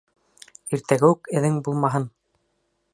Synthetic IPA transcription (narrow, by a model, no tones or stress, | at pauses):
iɾt̪æɡɘʉkɘ̆ðɘŋbulˠmɑɦɤn